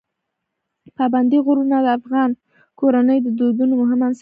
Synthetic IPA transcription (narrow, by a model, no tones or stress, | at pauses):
pɑband̪iɣʊɾunad̪əafɣɑn | koɾanəjd̪əd̪od̪unomʊɦɪmans